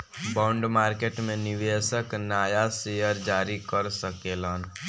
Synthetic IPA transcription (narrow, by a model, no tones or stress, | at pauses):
bãːʊɳɖmaːɾkeːʈmẽnɪʋeːsəknaːjasejəɾd͡ʒaːɾikəɾsəkeːlaːn